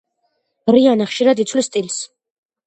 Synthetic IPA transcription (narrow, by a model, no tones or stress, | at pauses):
ɾianaχʃiɾad̪it̪sʰwlist̪ʼils